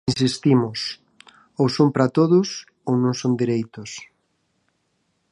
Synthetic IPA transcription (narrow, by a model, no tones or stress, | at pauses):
ins̬ist̪imʊs | owsompɾat̪oðʊs | ownõŋsond̪iɾejt̪ʊs